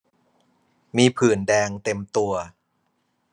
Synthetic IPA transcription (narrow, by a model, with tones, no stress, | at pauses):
miː˧pʰɯː˨˩ndɛː˧ŋt̪e˧mt̪u˧ɐ